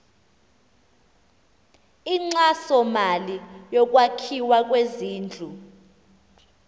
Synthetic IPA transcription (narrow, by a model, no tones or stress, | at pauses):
iŋ͡ǀasɔmalijɔk̬ʼwakʰiwak̬ʼweziːnd͡ɮʱu